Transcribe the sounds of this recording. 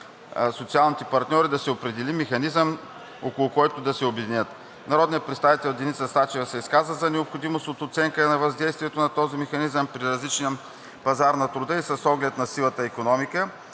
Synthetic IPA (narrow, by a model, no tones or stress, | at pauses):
sot̪sialˠnit̪ɛpɐɾt̪nʲɔɾid̪ɐsɛopɾɛd̪ɛlimɛxɐnizəm | okolˠʊkɔjt̪ʊd̪ɐsɛobɛd̪inʲət̪ | nɐɾɔd̪nijət̪̚pɾɛt̪st̪avit̪ɛlˠd̪ɛnit̪sɐst̪at͡ʃɛvəsɛiskazvəzɐnɛopxod̪imost̪ot̪ot̪sɛŋkənɐvɐzd̪ɛjst̪viɛt̪onɐt̪ɔzimɛxɐnizəmpɾiɾɐzlit͡ʃnijə | pɐzaɾnɐt̪ɾʊd̪əisɐsɔɡlɛt̪nɐsilˠət̪əikonɔmikə